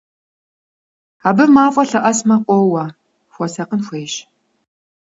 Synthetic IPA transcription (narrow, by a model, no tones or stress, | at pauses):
aːbɨmaːfʷʼɐɬɐʔɐsmɐqʷɔwɐ | xʷɔsɐqənxʷejʃ